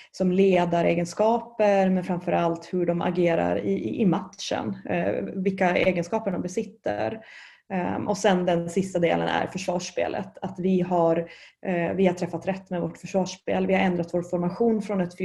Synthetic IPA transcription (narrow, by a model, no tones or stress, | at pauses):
sɔmleːd̪aɾeːɡənskɑːpəɾmɛnfɾamfœɾalt̪hɵɖɔmʔa̰ɡeːɾa̰ɾɪ̰ɪmat̪ʂə̰nvɪlkːaḛːɡənskɑːpəɖɔmbɛsɪt̪ːə̰ɾ | ʔɔsɛnd̪ɛnsɪst̪ad̪ḛːlə̰næ̰ɾfœʂvɑːʂpḛːlʔə̰t̪ʰat̪vɪɦaɾ | vɪhaʈʰɾɛfːat̪ɾɛt̪ːmɛvɔʈːfœʂvɑːʂpḛːlvɪhaɾɛnd̪ɾat̪voːɾfɔɾmaɧuːnfɾɔnɛt̪f